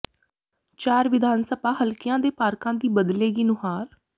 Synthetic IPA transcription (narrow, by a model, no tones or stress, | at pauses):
t͡ʃɛːɾʋɪd̪ʱaːnsəbaːɦəlkɪjãːd̪eːpaːɾkãːd̪iːbəd̪leːɡiːnʊɦaːɾ